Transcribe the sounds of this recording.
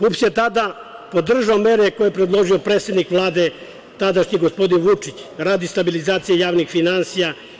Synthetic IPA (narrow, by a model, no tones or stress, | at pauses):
pupsjet̪ad̪a | po̞d̪r̩ʒaomeɾekojepɾed̪lˠo̞ʒio̞pɾeːt̪se̞d̪nikʋlˠaːd̪e̞ | t̪ad̪aʃɲiɡospo̞d̪inʋut͡ʂit͡ɕɾaːd̪ist̪abilizaːt̪sijejaːʋnixfinansija